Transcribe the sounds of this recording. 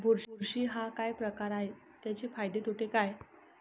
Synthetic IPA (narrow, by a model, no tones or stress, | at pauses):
bʱuɾuɾɕiːɦakajpɾəkaɾaɦe | t̪jat͡ɕefajd̪et̪ʰoʈekaj